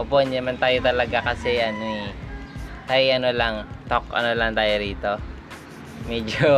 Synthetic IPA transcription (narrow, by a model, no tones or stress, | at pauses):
ʔoponjɐmɐnt̪aːjot̪ɐlɐɡakɐsɛjɐnɛ | t̪ɐʔɐnolɐŋt̪okɐ̰nolɐŋt̪aːjoɾiːt̪o̞ | mɛːd͡ʒo